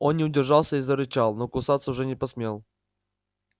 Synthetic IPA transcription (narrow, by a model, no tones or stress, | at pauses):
onnʲɪʊdʲɪrʐalˠsʲəizəɾɪt͡ɕalˠnokʊsat̪səʊʐɛnʲɪpɐsmʲelˠ